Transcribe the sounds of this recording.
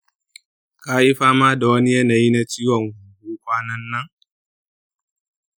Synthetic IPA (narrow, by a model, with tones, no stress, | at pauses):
kaː˦ʔi˦ɸaː˦maː˦da˨wɐ˦ni˦ja˦na˨ji˦na˨t͡ʃiː˦wɔ˨ŋɡʷuː˨ɡuː˦kʷaː˦nɐ˦nːɐ˦ŋ